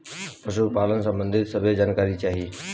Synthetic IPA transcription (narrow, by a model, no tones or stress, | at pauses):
pəʃʊkpaːlən̆sə̃bə̃nd̪ʱɪt̪səbʱed͡ʒaːnkaːɾit͡ʃaːɦiː